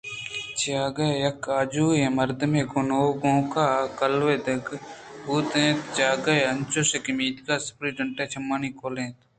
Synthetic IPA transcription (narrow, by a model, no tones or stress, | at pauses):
t͡ʃʰijaːɡɐjɐkaːd͡ʒuːjẽmɐɾd̪əmeːɡʊnoːɡõːkaːkɐlʋeːd̪ɐɡɦuːt̪ẽːt̪d͡ʒaːɡɐjɐnt͡ʃosekɪmiːt̪kaːspɾiːɖɐɳʈeːt͡ʃʰɐmːaːniːkoːlẽːt̪